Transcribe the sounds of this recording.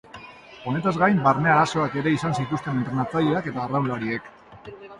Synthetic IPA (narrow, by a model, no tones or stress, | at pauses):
o̞ne̞t̪azɡajmbaɾne̞aɾaso̞ake̞ɾe̞isansit̪ust̪e̞nent̪ɾe̞nat͡sajiake̞t̪aːrawlaɾie̞k